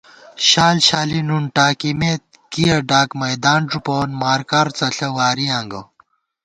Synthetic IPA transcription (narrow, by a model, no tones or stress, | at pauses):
ɕaːlɕaːlinuɳʈaːkimet̪̚ | kijɐɖaːkmɐjd̪aːnʈ͡ʂupoːnmaːɾkɐɾt͡sɐɬɐwaːɾiãːŋɡɐ